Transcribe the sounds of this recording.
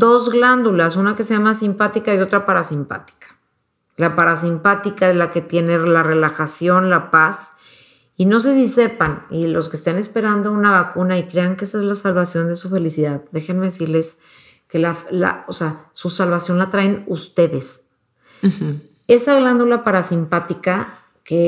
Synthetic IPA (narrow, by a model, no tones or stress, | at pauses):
d̪o̞zɣland̪ulasunake̞seʝamasimpat̪ikaio̞t̪ɾapaɾasimpa̰t̪i̥kḁ | lapaɾas̬impat̪ikaelaket̪je̞ne̞lare̞laxasjo̞nlapas | ino̞s̬e̞s̬ise̞panilo̞s̬kest̪ane̞spe̞ɾand̪o̞unaβakunaikɾe̞aŋkeesaezlasalβasjo̞nd̪e̞sufe̞lisiðaðd̪e̞xenme̞ðesiɾle̞s | ke̞lafla̰oseasusalβasjo̞nlat̪ɾaenust̪e̞ðe̞s | e̞saɣland̪ulapaɾasimpat̪ika | ke̞